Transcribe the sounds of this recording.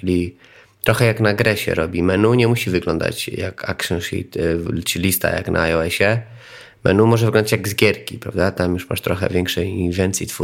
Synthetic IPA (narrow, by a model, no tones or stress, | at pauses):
lʲi | t̪ɾɔxɛjaknaɡɾɛɕɛ̰ɾɔbʲimɛnuɲɛmuɕivɘɡlɔnd̪a̰t͡ɕjaka̰kʂɛnʂḭt̪t͡ʃɘlʲist̪a̰ja̰knʔa̰ːjɔɛɕɛ | mɛ̰numɔʐɛvɘɡlɔnd̪at͡ɕjaɡzɡʲjɛɾkʲipɾavd̪at̪amjuʂma̰ʂt̪ɾɔxɛ̰vʲjɛŋkʂɛjivʲjɛnt̪sʲjit̪fu